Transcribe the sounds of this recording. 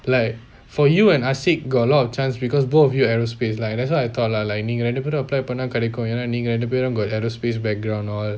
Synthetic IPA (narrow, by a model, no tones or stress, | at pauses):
laɪk | fɔjuɛ̃nasik̚ɡɔlɔtɔft͡ʃãnsbikɔsbotɔfjuɛɹospeslãndɛtswajajt̪ʰɔt̚lalajk̚nĩŋɹɛ̃ndəpiɾə̃əplajpənãŋkaɾekõjananĩŋɹɛ̃ndəp̬eɾõnɡɔtɛɹospes̬bɛk̚ɡɹãw̃nɔl